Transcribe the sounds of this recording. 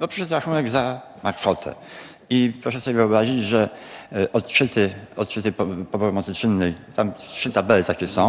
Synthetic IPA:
bɔpʂɘʂɛt̪ɾaxunɛɡza | makfɔt̪ʰɛ̰ | ipɾɔʂɛsɔbʲjevɨɔbɾaʑid͡ʑʐɛʔɔt̪t͡ʂɘt̪ɘɔt̪t͡ʂɘt̪ɘpɔpɔpɔmɔt̪sɘtt͡ʂɘnːɛjt̪amtʂɘt̪abɛlɘt̪akʲɛsɔ̃w̃

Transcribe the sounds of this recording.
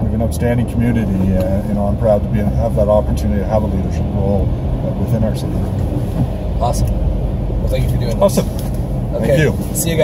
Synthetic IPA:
wɨðɨ̃nʌʊtstæ̃ndɪ̃ŋkʰmjʉnɨɾijɨnoʊãɪ̃mpʰɹ̥aʊd̚tʰəbiɨ̃əvðəɾɑpə˞tʰʉ̃nɨɾiɾɨəvəliɾə˞ʃɨp̚ɹoʊlˠ | wɨθɪ̃naʊə˞sɨkɪɹ | ɑsˠ | θæ̃kɨfə˞dʉɪ̃ŋɑsɨ | oæ̃kjʉ | siɨɡ

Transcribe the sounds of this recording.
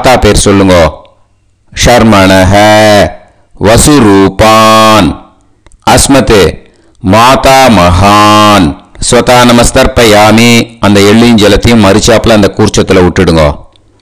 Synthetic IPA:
t̪aːpeːɾsɔlːɯŋɡoː | ʃɐɾmɐɳɐɦɐ | ʋɐsuɾuːpaːn | ɐsmɐt̪ɯ | maːt̪aːmɐɦansʋɐt̪aːnɐmɐst̪ɐɾpɐjaːmiɐnd̪ɐɛɭːijɲd͡ʒɛlɐt̪ːɐjʊ̃mɐɾɯt͡ʃːaːplɐnd̪ɐkuːɾt͡ʃːɐt̪ːɪlɐʊʈːɪɽɯŋɡo̰ː

